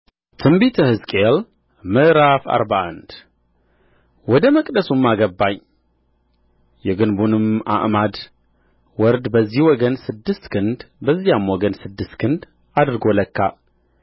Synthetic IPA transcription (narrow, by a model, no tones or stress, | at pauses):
t̪ʰɨmbit̪ʰəhɨzkʼel | mɨʔɾafa̰ɾbaʔa̰nd̪̥ | wɔd̪əməkʼd̪əsumːaɡəbːaɲ | jɛɡɨnbunɨma̰ʔmad̪ | wɔɾd̪bəzːihwɔɡənsɨd̪ːɨst̪kʰɨnd̪bəzːijamwɔɡənsɨd̪ːɨst̪kʰɨnd̪ | ad̪ɾɡoləkʰːa